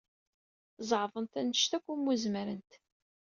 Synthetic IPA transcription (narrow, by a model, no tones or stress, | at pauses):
zˤʕvˤənt̪ænəʃt̪ækʷːumːuzməɾənt̪